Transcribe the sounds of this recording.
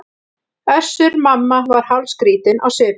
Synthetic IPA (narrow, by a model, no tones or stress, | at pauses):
œsːʏɾmamːavaɾ̥hawlskɾiːt̪ɪna̰wsɛː